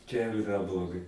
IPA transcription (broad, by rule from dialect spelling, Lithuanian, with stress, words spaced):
t͡ʃʲɛ jɛʊ ɪˈrɐ blˠoːˈɡɐɪ